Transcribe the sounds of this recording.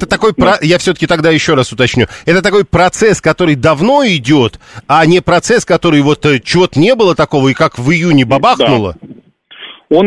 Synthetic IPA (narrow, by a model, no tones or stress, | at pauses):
t̪ət̪ɐko̞jpɾɐjafsʲɵt̪ə̥kʲɪt̪ɐɡd̪ajɪɕːo̞ɾasʊt̪ɐt͡ɕnʲṵɛt̪ət̪ɐko̞jpɾɐt̪sɛskɐt̪o̞ɾɨjd̪ɐvno̞ɪdʲo̞t̪anʲɪpɾɐt̪sɛskɐt̪o̞ɾɨjvo̞t̪ət͡ɕɪvo̞t̪ənʲebɨlˠət̪ɐko̞vəikakvɨjunʲɪbɐbaxnʊlˠə̰ | on